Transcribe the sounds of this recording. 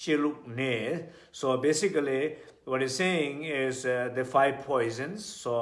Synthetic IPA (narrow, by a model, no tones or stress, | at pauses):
t͡ʃeluk̚ne | sobesikəli | wɔtizseĩŋizd̪əfʰajb̚pʰɔjzə̃nsːo